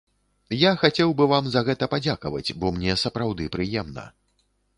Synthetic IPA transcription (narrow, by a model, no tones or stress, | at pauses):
jaxat͡sʲɛwbɨvamzɐɣɛt̪ɐpad͡zʲakɐvɐ̰t͡sʲbɔmnʲɛsɐpɾawd̪ɨpɾɨjɛmnɐ̰